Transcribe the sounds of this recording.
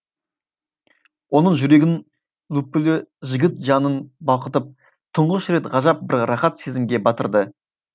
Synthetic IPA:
wo̞nəɴʒʏɾe̞ɡʲɪn | lˠupːʏlɪʒɪɡʲɪt̪ʒɑnənbɑlˠqət̪əp̚ | t̪ʰʊɴʁəʃɾe̞t̪ʁɑʒɑp̚bɪɾɾɑχɑt̪se̞zɪmɡʲe̞bɑt̪ə̰ɾd̪ə

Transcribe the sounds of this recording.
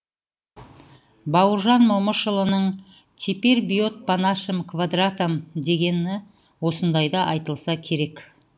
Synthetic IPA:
bɑwəɾʒɑnmoməʃəlˠənəɴ | t̪ʲʰipeɾbʲijo̞t̪̚panaʃəmkʰvad̪rat̪amd̪e̞ɡʲe̞nɪ | wo̞sənd̪ɑjd̪ɑʔɑjt̪əlˠsɑkʲʰe̞ɾe̞k

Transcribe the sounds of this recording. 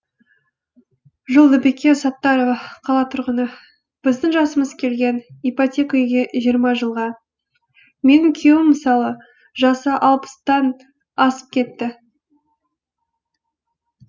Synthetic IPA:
ʒʊlˠd̪əbekʲesɑt̪ːɑɾəqʰɑlˠɑt̪ʰʊɾʁənə | b̥ɪzd̪ɪŋʒɑsəməzkʲʰe̞lɡʲe̞nipot̪ʲe̞kaʏjɡʲe̞ʒijəɾmɑʒəlˠʁɑ | me̞nɪŋkʲʰewɪmːəsɑlˠə | ʒɑsəʔɑlˠpə̥st̪ɑn | ɑsə̥p̚kʲʰe̞t̪ːɪ

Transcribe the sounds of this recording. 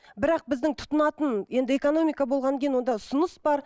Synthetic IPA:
bɪɾɑq̚bɪzd̪ɪŋt̪ʰʊ̥t̪ʊnɑt̪ənje̞nd̪ɪekono̞mijkabo̞lˠʁɑnʲʰejnwo̞nd̪ɑʊsʊnəsbɑɾ

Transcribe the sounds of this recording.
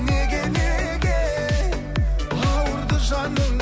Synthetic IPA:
neɡʲene | ɡʲe | ɑwəɾd̪əʒɑnə

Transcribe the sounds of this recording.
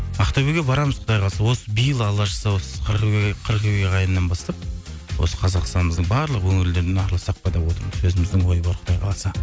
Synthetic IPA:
ɑqt̪ɑbeɡʲebɑɾɑməz̥qʰʊd̪ɑjqʰɑlˠɑsɑwo̞səbijəlˠɑlˠɑʃɑsɑwosə̥qʰəɾʁqʰəɾqeɡʲeʁɑjənːɑnbɑst̪ɑp̚ | wo̞̰sə̥qʰɑzɑqst̪ɑnməzd̪əɴbɑɾlˠəqwɵŋɪld̪eɾd̪enɑɾlˠɑsɑq̚pɑd̪ɑpwo̞t̪əɾməzwɵzɪmɪzd̪ɪŋwo̞jəbɑɾqʰʊd̪ɑjqʰɑlˠɑsɑ

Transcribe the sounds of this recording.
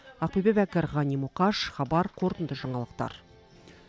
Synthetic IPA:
ɑq̚pijbepækʲɪɾʁɑnimuqɑʃχɑbɑɾqʰo̞ɾt̪ənd̪əʒɑɴɑlˠəq̚t̪ɑ̰ɾ

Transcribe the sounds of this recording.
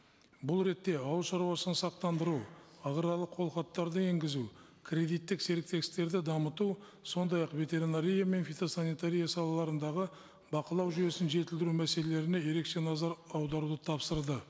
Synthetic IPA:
bʊlˠɾe̞t̪ːe̞ɑwlˠʃɑɾuwɑsənsɑq̚t̪ɑnd̪əɾuwɑʁəɾɑlˠəqʰo̞lˠχɑt̪ːɑɾd̪əe̞ŋɡʲɪzu | kʰrʲe̞d̪ijt̪ːɪkse̞ɾɪk̚t̪e̞ɡʲɪst̪e̞ɾd̪ɪd̪ɑmət̪u | so̞nd̪ɑjɑqve̞t̪e̞ɾinaɾʲijame̞nfit̪o̞sanijt̪aɾʲijasɑlˠɑlˠɑɾənd̪ɑʁə | bɑqəlˠɑwʒʏje̞sɪnʒe̞t̪ɪld̪ɪɾumæse̞lele̞ɾɪne̞je̞ɾe̞kʃe̞nɑzɑɾɑwd̪ɑɾud̪ət̪ʰɑpsəɾd̪ə

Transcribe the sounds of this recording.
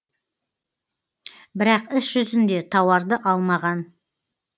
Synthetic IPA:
bɪɾɑqɪsʒ̥ʏzɪnd̪e̞t̪ʰɑwɑɾd̪əʔɑlˠmɑʁɑn

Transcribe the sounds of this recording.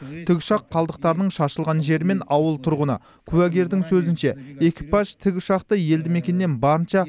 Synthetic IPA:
t̪ʰɪɡʲʊ̥ʃɑqʰːɑlˠd̪əq̚t̪ɑɾənəɴʃɑʃəlˠʁɑnʒe̞ɾɪme̞nɑwəlˠt̪ʰʊɾʁənə̰ | kʲʰʉwæɡʲe̞ɾd̪ɪŋsɵzɪnʃe̞ekʲipɑʒt̪ʰɪɡʲʊ̥ʃɑqt̪əje̞ld̪ɪme̞kʲe̞nːe̞nbɑɾənʃɑ

